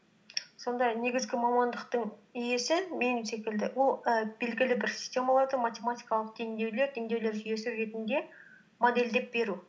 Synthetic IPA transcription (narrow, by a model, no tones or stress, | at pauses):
so̞nd̪ɑne̞ɡʲɪzɡʲɪmɑmɑnd̪əqt̪əɴʏje̞sɪmejnut̪se̞kʲɪld̪ɪwolˠəbe̞lɡʲɪlɪbɪɾsʲi̥stʲe̞mɑlˠɑɾd̪əmat̪ʲe̞mat̪ʲijkɑlˠəq̚t̪ʰe̞ŋd̪e̞wle̞ɾt̪ʰe̞ŋd̪ewle̞ɾʒʏje̞sɪɾe̞t̪ɪnd̪e̞ | mod̪e̞ld̪e̞p̚be̞ɾu